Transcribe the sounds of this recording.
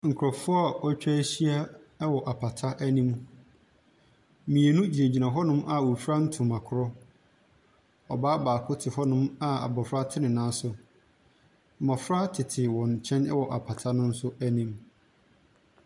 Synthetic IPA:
ŋ̩˨kʰʊ˨ɾɔ˨fʊ˦ɔ˦a˨ɔ˦t͡ɕᶣa˦ɕi˦a˦ɛ˦wɔ˨ʔa˨pʰa˨tʰa˦ʔæ˦nĩ˦m | mĩ˨e˨nũ˦d͡ʑi˨e˨d͡ʑi˨nã˨ɦɔ˦nʊ̃˦mʔa˦˨wu˨fɾa˦n̩˦tʰʊ̃˨mã˨kʰʊ˦ɾɔ˦ | ɔ˨baː˦baː˨kʰʊ˦tʰɪ˨hɔ˦nʊ̃˦ma˨a̰˨bɔ˨fɾa˦tʰɪ˦nɪ̃˨nãː˦sʊ˦˨ | mã˨fɾa˦tʰɪ˨tʰɪ˨wɔ̃˨ɲ˨t͡ɕʰɛ̃˦nɛ˦wɔ˨ʔa˨pʰa˨tʰa˦nʊ̃˦n̩˦sʊ˦æ˦nĩ˦m

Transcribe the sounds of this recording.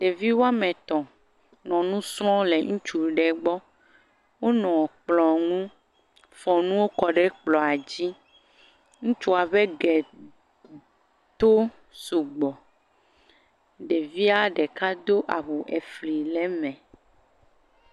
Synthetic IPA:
ɖ̥e˨vi˦wa˦mɛ̃˨t̪ɔ̃˨ | nɔ̃˨nũ˦sɾɔ̃˦le˨ŋũ˦t͡ʃu˦ɖɛ˨ɡ͡bɔ˦ | wo˦nɔ̃˨k͡plɔ˨ŋũ˦ | fɔ̃˨nũ˦wo˦kɔ˨ɖɛ˦k͡plɔ˨a˨d͡ʑi˦ | ŋũ˦t͡ʃu˦a˨βe˦ɡɛ˨ | t̪o˦ | su˨ɡ͡bɔ˨ | ɖe˨vi˦a˦ɖɛ˨ka˦d̪o˦ʔa˨βu˨ʔɛ˨fli˨lɛ˦mɛ̃˨

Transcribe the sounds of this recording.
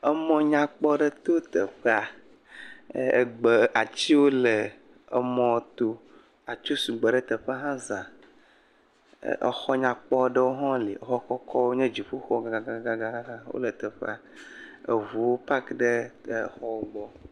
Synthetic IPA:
ə˦mɔ̃˦ɲã˦k͡pɔ˦ɖə˦t̪o˦t̪ə˨ɸə˦a˨ | ɡ͡bə˨a˨t͡ɕi˦wo˦lə˨ | ə˦mɔ̃˨t̪o˦ | a˨t͡ʃo˦su˨ɡ͡bə˨ɖə˦t̪ə˨ɸə˦ɦã˦zã˨ | ʔə̰˨xɔ˦ɲã˨k͡pɔ˦ɖə˦wo˦ɦɔ̃˦lḭ˨ə˨xɔ˦kɔ˦kʰɔ˦wo˦ɲɛ̃˦d͡ʒi˨ɸu˦xɔ˦ɡa˨ɡa˨ɡa˦ɡa˦ɡa˦ɡa˦ɦã˦wo̰˦lə˨t̪ə˨ɸɛ̰˦a˨ | ə̰˨vu˨wo˦pa˦kɖə˦˨xɔ˦wo˦ɡ͡bɔ˦

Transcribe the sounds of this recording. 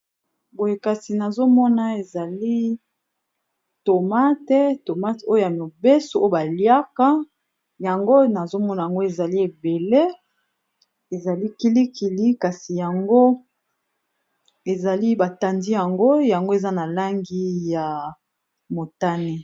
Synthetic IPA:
bo˨je˨ka˨si˨na˨zo˦mɔ˦na˨e˨za˨li˦ | to˨ma˦tɛ˦to˨ma˦to˦jo˦ja˨mo˨be˦so˨o˦o˦˨ba˨lja˦ka˦ | ja˨ŋɡo˦na˨zo˦mɔ˦na˨ja˨ŋɡo˦e˨za˨li˦e˨be˨le˦ | e˨za˨li˦ki˦li˦ki˨li˦ka˨si˨ja˨ŋɡo˦ | e˨za˨li˦ba˨ta˨ndi˦ja˨ŋɡo˦ja˨ŋɡo˦e˨za˦na˨la˦ŋɡi˦ja˨ | mo˨ta˦ne˦

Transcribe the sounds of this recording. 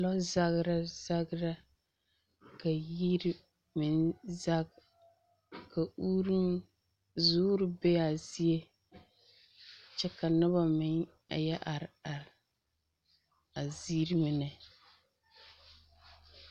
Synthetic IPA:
lɔ˦za˦ɣɾa˦za˦ɡɾa˦ | ka˨ji˦ɾ | mɪ˨nza˦ɡ | ka˨uː˦ɾɨ˦m | zʊː˦ɾɨ˨be˦ja˨zi˦e˦ | t͡ʃɛ˦ka˨nɨ˦βa˨mɪ˨ŋ | a̰˨jɛ˦ʔa˨ɾa˨ɾ | a˨zi˦ɾmɨ˨nɛ˨

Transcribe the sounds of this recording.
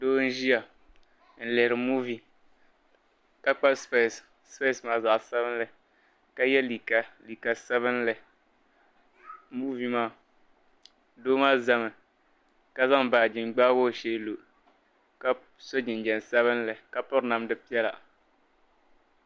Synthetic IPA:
doː˦n̩˦ʒi˦a˨ | n̩˨lɪ˨hɾɨ˨mu˦vi˨ | ka˨k͡pa˦sp | spe˦˨smaː˦za˨ʔsɛ˦βɨ˦n˦lɨ˨ | ka˦jɛ˦li˨ka˨li˨ka˨sɛ˦βɨ˦n˦lɨ˨ | mu˦vi˨maː˦˨ | doː˦maː˦za˦mɨ˨ | ka˦za˦ŋ˨baː˨d͡ʒɪ˨nɡ͡baː˦woː˦˨ʃe˦lo˨ | ka˦ | so˦d͡ʒɪ˨n˨d͡ʒɛ˨n˨sɛ˦βɨ˦n˦lɨ˨ka˨pʊ˦ɾna˨mdɨ˦pi˦ɛ˦la̰˨

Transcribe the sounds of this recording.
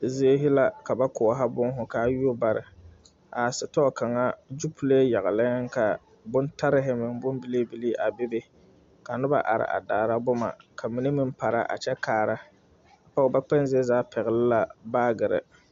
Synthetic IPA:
zɪ˦e˦ɦɪ˦la˨ka˨ba˦kʊ˨ɦa˦bʊ˦ŋ˦ɦʊ˨ka˨˦ju˦o˦ba˨ɾɪ˨ | a˨sɪ˨tɔ˦˨ka˨ŋa˦d͡ʒu˦pʰu˦le˦ja˨ɣɪ˨lɪ˦ŋ˦ka˨ | bʊ˦nta˦ɾɪ˦ɦɪ˨mɪ˨ŋ˦bʊ˦m˦bi˦le˦bi˦li˦ʔa˨be˦be˦ | ka˨nʊ˦ba̰˨ʔa̰˨ɾɪ̰˨ʔa̰˨daː˨ɾa˦bʊ˦ma̰˨kʰa˨mi˨ni˦mɪ˦m˦pa˨ɾa̰˦ʔa̰˨t͡ʃɛ˦kaː˨ɾa˦ | a˨pa˦ʊ˨ba˦k͡pɛ˦n˦zɪ˦e˦zaː˨˦pʰɛ˨ɣɪ˨lɪ˦la˨baː˦ɡɪ˨ɾɪ̰˨

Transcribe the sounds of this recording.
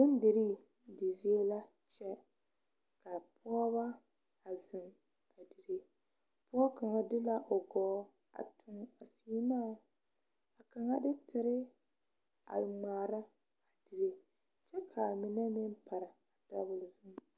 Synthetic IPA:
bɪ˦n˦dɪ˨ɾi˦ | di˨zi˦e˦la˦ | t͡ʃɛ˦ | ka˨pʰɔː˦βa˦ | a˨zɪ˨m | a˨di˨ɾe˦ | pɔː˦ka˨ŋa˦dɪ˦la˦ʔo˨ɡɔː˦ | a̰˨tʰʊ˦ŋa˨siː˦na˦˨˦ | a˨ka˨ŋa˦dɪ˦tʰɪ˨ɾɪ˦ | a̰˨ŋ͡maː˨ɾa˦ | a˨di˨ɾe˦ | t͡ʃɛ˦kʰa˨mɪ˨nɛ˦mɪ˦n˦pa˨ɾa˨a˨da˦bʊ˨lzʊ˦m

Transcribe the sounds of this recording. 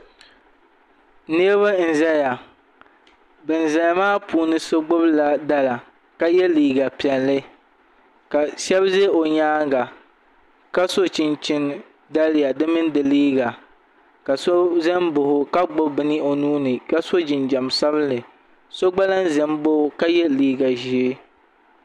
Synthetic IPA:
ne˦βa˦n̩˨zɛ˦ja˨ | bɨ˨n˨zɛ˨jmaː˦puː˨nɨ˦so˦ɡ͡bʊ˦bla˨da˦la˨ | ka˦jɛ˦liː˨ɡa˨pi˨ɛ˨lːɨ˦ | ka˨sɛ˦bze˦o˨ɲaː˦ŋɡa˨ | ka˦so˦t͡ʃɪ˨nt͡ʃɪ˦n | da˦lɪ˦ja˨dɨ˦mɨ˦n˦dɨ˨liː˦ɡa˨ | ka˨so˦zɛ˦mbʊ˨hʊ˨ka˦ɡ͡bʊ˦bɨ˦nɨ˦o˨nuː˦nɨ˨ka˦so˦d͡ʒɪ˨nd͡ʒa˨msa˦bɨ˦lɨ˨ | so˦ɡ͡ba˦la˦n˦zɛ˨mbo˦ka˦jɛ˦liː˦ɡa˨ʒi˨˦e˦

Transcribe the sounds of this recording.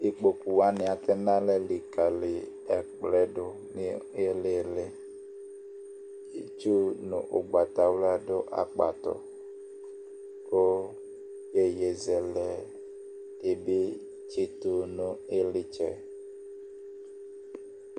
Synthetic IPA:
i˦k͡po˨ku˨wa˦nɪ˨a˨tɛ˦nã˦lɛ˦li˨ka˨lɪ˨ | ɛ˨k͡plɛ˦dʊ˨ | nɪ˦ | e˦le˦˨lɪ˦ | i˨t͡ʃu˦nʊ̰˨ʔʊ̰˨ɡ͡ba˨t̪a˨wla˦dʊ˦ʔa̰˨k͡pa̰˨t̪ɔ̰˨ | ko˦ | je˨je˨zɛ˨lɛ˨ | d̥e˨bɪ˦ | t͡ʃe˦tu˨nʊ˨e˦lɪ˦t͡ʃɛ˨

